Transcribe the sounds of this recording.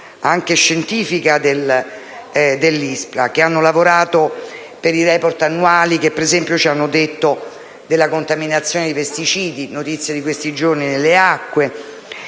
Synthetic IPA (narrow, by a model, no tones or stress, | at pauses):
aŋk̟eʃːent̪iːfikad̪el | d̪elːispɾakeanːolavoɾaːt̪o | peɾirɛport̪anːuaːlik̟epːeɾezɛmpjot͡ʃianːod̪et̪ːo | d̪elːakont̪aminat̪sːjoːned̪ipest̪it͡ʃiːd̪inot̪it̪sːjad̪ikwest̪id͡ʒorninelːeakːwe